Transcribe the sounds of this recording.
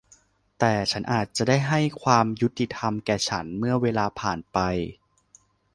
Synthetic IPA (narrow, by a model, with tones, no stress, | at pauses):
t̪ɛː˨˩t͡ɕʰa˦˥nʔaː˨˩t̪̚t͡ɕa˨˩da˥˩jɦa˥˩jkʰwaː˧mju˦˥t̪ːi˨˩t̪ʰa˧mkɛː˨˩t͡ɕʰa˦˥nmɯ˥˩ɐweː˧laː˧pʰaː˨˩npa˧j